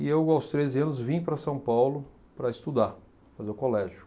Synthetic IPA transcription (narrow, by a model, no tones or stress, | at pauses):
ɪewawst̪ɾezɪɐ̃nʊzvĩpɾɐsɐ̃w̃pawlʊ | pɾɐɪst̪ud̪a | fazeʊkolɛʒʊ